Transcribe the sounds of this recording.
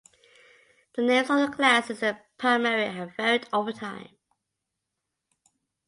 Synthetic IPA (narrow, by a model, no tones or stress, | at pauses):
ðənẽɪ̃mzəðəkʰl̥æsəðəpʰamɛɹiəvɛɹɪdoʊvətʰãɪ̃m